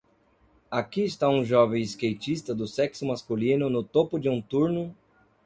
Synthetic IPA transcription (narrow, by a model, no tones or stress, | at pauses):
akiɪst̪aũʒɔvẽj̃ɪskejt͡ʃist̪ɐd̪ʊsɛksʊmaskulĩnʊnʊt̪opʊd͡ʒɪũt̪uɾnʊ